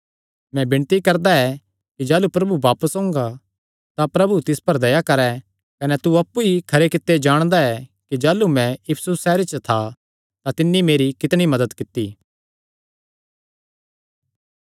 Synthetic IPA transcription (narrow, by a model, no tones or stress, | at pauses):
mɛ̃bɪɳ̃t̪ikɐɾd̪aɛ | kid͡ʒaːlupɾɐbubaːpəsɦõːŋɡa | t̪apɾɐbut̪ɪspɐɾd̪ɐjakɐɾɛ | kɐnɛt̪uɐpːuikʰɐɾekɪt̪ːed͡ʒaːɽ̃d̪aɛkid͡ʒaːlumɛ̃jɪpʰsusːɛːɾet͡ʃət̪ʰa | t̪at̪ɪnːimeːɾikɪt̪ɽ̃imɐd̪əd̪kɪt̪ːiː